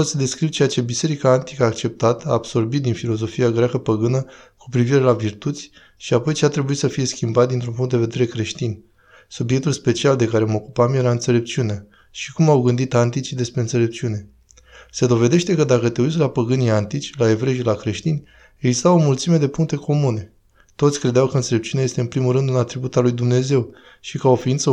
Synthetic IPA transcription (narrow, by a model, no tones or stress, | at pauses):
osʲd̪e̞skɾiwt͡ʃe̞at͡ʃe̞bise̞ɾikaːnt̪i̥kəːk̚t͡ʃe̞p̚t̪at̪a̰ːb̥so̞rbit̪̚d̪infilo̞zo̞fiaɡɾʲakəpəɡɨnəku̥pɾiviɾe̞lavirt̪ut̪sʲ | ʃiapo̞jt͡ʃeat̪ɾe̞buit̪səfije̞skʲimbat̪̚d̪int̪ɾumpuŋt̪d̪e̞ved̪e̞ɾe̞kɾe̞ʃt̪inʲ | subje̞k̚t̪ulspe̞t͡ʃiald̪e̞kaɾe̞məokupamje̞ɾaɨnt̪sele̞p̚t͡ʃiunea | ʃikumawɡɨnd̪it̪ant̪it͡ʃid̪e̞spɾe̞ɨnt̪se̞le̞p̚t͡ʃiune̞ | se̞d̪o̞ve̞d̪e̞ʃt̪e̞kəd̪akət̪e̞ut͡ʃlapəɡɨniant̪it͡ʃʲlae̞vɾeʃilakɾe̞ʃt̪inʲ | e̞ɡzist̪awo̞mult̪sime̞d̪e̞puŋk̚t̪e̞ko̞mune̞ | t̪o̞t̪sʲkɾe̞d̪eawkəɨntse̞le̞p̚t͡ʃiuneajest̪e̞ɨnpɾimulɾɨnd̪ɨnat̪ɾibut̪alujd̪umne̞ze̞w | ʃikao̞fint̪sə